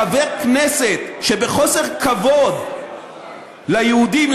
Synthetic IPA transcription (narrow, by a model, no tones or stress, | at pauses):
avekneset̪ʃebeχo̞se̞ʁkavo̞d̪ | lajehud̪iml